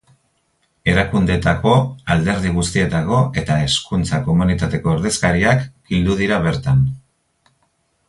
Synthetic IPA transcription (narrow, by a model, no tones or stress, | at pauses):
e̞ɾakund̪e̞t̪ako̞ald̪e̞ɾð̞iɣ̞ust̪ie̞t̪ako̞ʔe̞t̪ae̞skunt͡sako̞munit̪at̪e̞ko̞eɾðeskaɾiakɡild̪uð̞iɾaβ̞e̞ɾt̪an